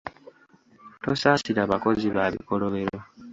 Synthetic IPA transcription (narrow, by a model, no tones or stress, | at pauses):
to̞sasiɾaβako̞ziβaβḭko̞lo̞βeɾo